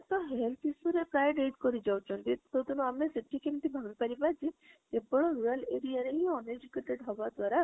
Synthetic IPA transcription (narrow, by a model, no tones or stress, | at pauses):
t̪ɔɦelt̪ʰisuɾepɾajɖeʈkɔɾid͡ʒawt͡ʃʰɔnkit̪ot̪unuameseʈʰikemit̪ʰibʱaɡipaɾibad͡ʒi | ebɔɭɔɾuɾaleɽijaɾeɦiɔned͡ʒikeʈeɖɦɔbad̪waɾa